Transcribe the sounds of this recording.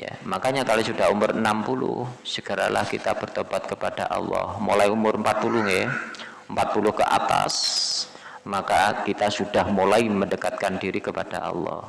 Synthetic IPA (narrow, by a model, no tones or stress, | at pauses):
ja̰makaɲakalosudaɦumʊrənampulʊ̰hsəɡ̥əɾa̰lahkit̪ab̥ərt̪ob̥at̪̚kəpad̥aʔɑ̰lːɔ̰hmolaiumʊrəmpat̪̚pulʊhŋe | əmpat̪̚pulʊhkəʔa̰t̪a̰s | makakit̪asud̥ahmolaiməndəkat̪̚kandiɾikəpad̥aʔɑ̰lːɔ̰h